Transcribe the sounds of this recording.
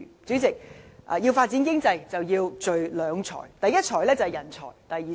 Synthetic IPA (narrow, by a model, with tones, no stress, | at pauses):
t͡sy˨˥t͡sɪ˨k̚ʔjiː˧wfaː˧t̚t͡si˨˥nk̬ɪ˥ŋt͡sɐ˧jt͡sɐ˨wjiː˧wt͡ʃɵ˨ɥlœː˨˧ŋt͡sʰɔ̰ː˨˩jt̪ɐ˨jɐ˥t̚t͡ʃʰɔː˨˩jlɛː˥t͡sɐ˨hɛ˨˩jɐ˨˩nt͡sʰɔ̰ː˨˩jt̪ɐ˨jiː˨